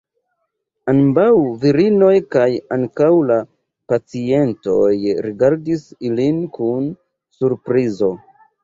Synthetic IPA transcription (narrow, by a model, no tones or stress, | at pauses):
anbawviɾino̞jkajaŋkawla | pat͡sie̞nto̞jɾiɡaɾdisilinkun | suɾpɾizo̞